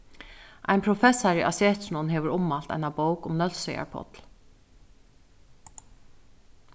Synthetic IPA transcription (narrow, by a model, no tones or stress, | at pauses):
ʔa̰ɪnpʰɾʊfɛsaɹiʔasɛːt̪snʊnɦɛːʋəɾʊmːalt̪a̰ɪjnabowkʊmnœlseja̰ɹpʰɔ̰t̪l